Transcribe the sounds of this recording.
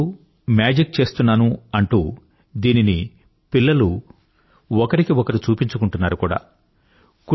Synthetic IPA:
u | mjaːd͡ʒik̚t͡ʃe̞ːst̪unːaːnuɐɳʈu | d̪iːnini | pilːɐlu | ɔkɐɾikiɔkɐɾut͡ʃuːpiɲt͡ʃukuɳʈunːaːɾukuːɽa̰ː | k

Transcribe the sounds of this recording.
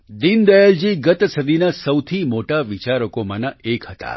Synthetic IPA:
d̪ind̪əjəld͡ʒiɡət̪səd̪inasəwt̪ʰimoʈaʋit͡ʃaɾəkomanaekɦət̪a̰

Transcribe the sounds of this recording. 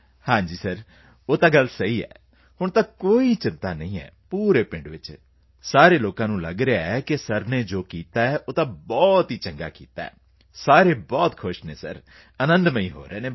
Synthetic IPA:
hãːɲd͡ʒiːsəɾ | oːt̪ãːɡəlsəiːɛ̰ː | hʊɳt̪ãːkoːiːt͡ʃɪnt̪aːnəĩːɛ̰ːpuːɾeːpɪ̃ɳɖʋɪt͡ʃ | saːɾeːloːkãːnũːlə̰ɡɾeaːɛːkɪsəɾneːd͡ʒoːkiːt̪aːɛːʔoːt̪ãːbɔːt̪ɦiːt͡ʃə̃ŋɡa̰ːkḭːt̪a̰ːɛ̰ː | saːɾeːbɔːt̪kʰʊʃnḛːsə̰ɾ | ənə̃nd̪məĩːɦo̰ːɾeːnẽː

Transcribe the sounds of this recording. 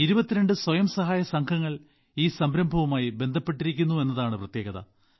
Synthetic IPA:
iɾubɐt̪ːiɾe̞ɳɖɨswɐjɐmsɐɦaːjɐsɐŋɡʰʱɐŋːɐɭ | iːsɐmɾɐmbʱɐʋumaːjibe̞nd̪ʱɐpːe̞ʈːiɾikʲːunːue̞nːɐðaːɳɨprɐt̪je̞ːɣɐðɐ̰

